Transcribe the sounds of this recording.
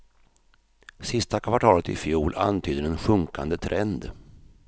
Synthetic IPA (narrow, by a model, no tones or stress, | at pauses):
sɪst̪akʰvaʈʰɑːlət̪ɪ̰fjuːla̰nt̪ʰyːd̪ənɛnɧɵŋkand̪ət̪ʰɾʔɛnd̪